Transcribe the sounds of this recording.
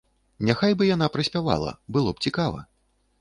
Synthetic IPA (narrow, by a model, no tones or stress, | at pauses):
nʲaxajbɨjan̪apɾɐsʲpʲava̰lˠɐ̰bɨlˠɔp̚t͡sʲikavɐ̰